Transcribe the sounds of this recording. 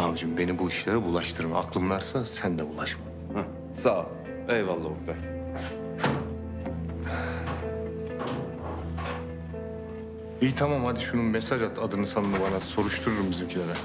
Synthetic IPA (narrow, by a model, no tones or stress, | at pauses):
abd͡ʒimbe̞nibuiʃlʲeɾibulˠaʃt̪ʰɯɾmaaklˠɯmlˠaɾsasænd̪ɛbulˠaʃma | ha | sa | ejvalˠːauɾd̪a | it̪ʰamamhad̪iʃununmesad͡ʒat̪ʰad̪ɯnɯsanɯnɯbanaso̞ɾuʃt̪ʰuɾuɾumbizimcʰilʲeɾɛ